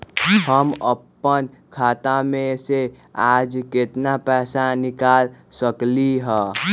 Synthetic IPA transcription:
həməpːən | kʰaːt̪ãmẽse | aːd͡ʒkɪt̪napɛːsanɪkaːlsəkliɦɛː

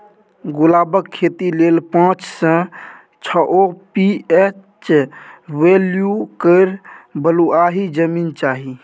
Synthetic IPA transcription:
ɡʊlaːbəkʰːeːt̪ileːlpãːt͡ʃsə̃ | t͡ʃʰəʔopiet͡ʃ | weljukəɪɾbəluaːɦid͡ʒəmint͡ʃaːɦi

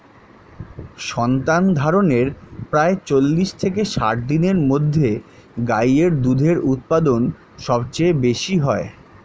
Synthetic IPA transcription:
ʃɔnt̪and̪ʱaɾoneɾpɾaet͡ɕolːiʃt̪ʰekeʃa̰ʈ̚d̪ineɾmod̪ʱːe | ɡajeɾd̪ud̪ʱeɾut̪̚pad̪on | ʃɔbt͡ɕebeʃiɦɔe

